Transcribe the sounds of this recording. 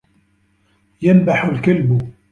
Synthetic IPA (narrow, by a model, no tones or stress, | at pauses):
janbaħʊlkalbʊ